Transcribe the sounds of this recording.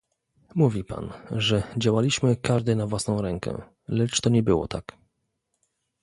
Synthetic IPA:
muvʲipa̰nʐɛd͡ʑawalʲiɕmɘkaʐd̪ɘnavwasnɔ̃w̃ɾɛŋkɛ̰ | lɛt͡ʂt̪ɔɲɛbɘwɔ̰t̪a̰k

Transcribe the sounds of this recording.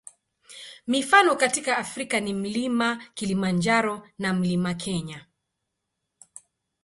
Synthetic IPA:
mifanɔkatikaːfɾikanim̩limakilimand͡ʒaɾɔnam̩limakʰɛɲa

